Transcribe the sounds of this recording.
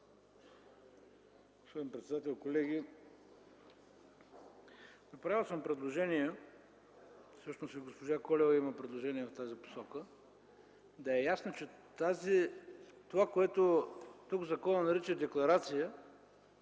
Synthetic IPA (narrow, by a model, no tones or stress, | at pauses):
ɡo̥spɔd̪ʲinpɾɛt̪sd̪at̪ɛlˠkolɛɡʲi | nɐpɾavilˠsəmpɾɛd̪lˠoʒɛniɛ | fsɤʃnosiɡospoʒakɔlɛvɐimɐpɾɛd̪lˠoʒɛniɛft̪azipo̥sɔkə | d̪ɐɛjasnot͡ʃɛt̪azit̪ovakoɛt̪ot̪uɡzɐkɔnɐnɐɾit͡ʃɛd̪ɛklˠɐɾat̪sijə